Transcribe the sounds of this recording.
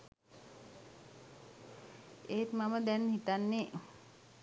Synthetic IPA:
eːt̪maməd̪ɛnhit̪anːe

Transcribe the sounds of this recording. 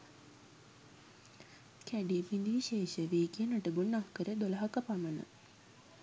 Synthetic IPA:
kæɖipind̪iʋiʃeːʃəʋeːkijənəʈəɡunːahkəɾəd̪olaɦakəpamənə̰

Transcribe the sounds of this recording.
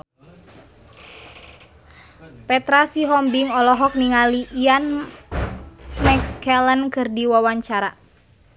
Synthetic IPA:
pɛt̪ɾasiɦɔmbiŋɔlɔɦɔk̚niŋaliʔːan | mɛkskɛlənkɨrdiwawaɲt͡ʃaɾa

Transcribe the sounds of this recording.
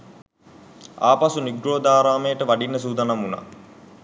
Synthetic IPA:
a̰ːpasuniɡɾoːd̪aːɾaːmejəʈəʋaɖinːəs̬uːd̪anamuna̰

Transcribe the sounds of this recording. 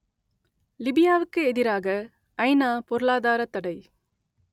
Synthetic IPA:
lɪbɪjaːʋɯkːɯɛðɪɾaːɣɐ | ʔɐɪnaːpɔɾɯɭaːðaːɾɐt̪ːɐɽɐɪ

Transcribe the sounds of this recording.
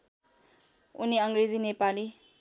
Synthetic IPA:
ṵniʌŋɡred͡zinepali

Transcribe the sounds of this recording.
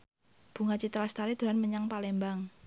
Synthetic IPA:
b̥ṳŋat͡ʃit̪ɾast̪aɾid̪̥ṳɾanməɲaŋpalɛmbaŋ

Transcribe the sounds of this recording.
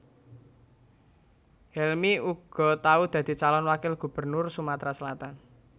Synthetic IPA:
hɛlmiuɡ̥ɔ̤t̪aud̪̥a̤d̪̥i̤t͡ʃalɔnwakɪlɡ̥ṳb̥ə̤rnʊrsumat̪ɾasəlat̪an

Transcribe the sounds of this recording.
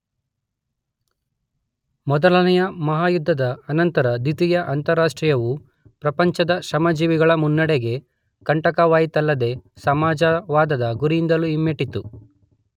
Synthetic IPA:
mɔd̪ɐlɐnɛjɐmɐɦaːjud̪ʱːɐd̪ɐːnɐnt̪ɐɾɐd̪it̪ijɐʔɐnt̪ɐɾːaːʂʈɾijɐʋu | pɾɐpɐɲt͡ʃɐd̪ɐʃɾɐmɐd͡ʒiːʋiɡɐɭɐmunːɐɽeɡe̞ | kɐɳʈɐkɐʋaːjit̪ɐlːɐd̪e̞sɐmaːd͡ʒɐʋaːd̪ɐd̪ɐɡuɾijind̪ɐluimːeʈit̪u

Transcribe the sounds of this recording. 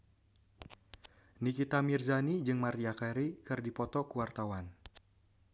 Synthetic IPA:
nikit̪amirzanid͡ʒɨŋmariakaɾikɨrdipɔt̪ɔkuwart̪awan

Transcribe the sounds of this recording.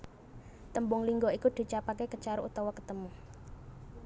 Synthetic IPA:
t̪əmbʊŋliŋɡoikud̪̥i̤t͡ʃapakekət͡ʃaɾuʔut̪awɔkə̥t̪əmu

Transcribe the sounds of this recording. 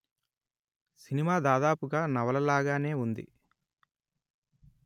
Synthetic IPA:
sinimaːd̪aːd̪aːpuɡaːnɐʋɐlɐlaːɡaːne̞ːund̪ḭ

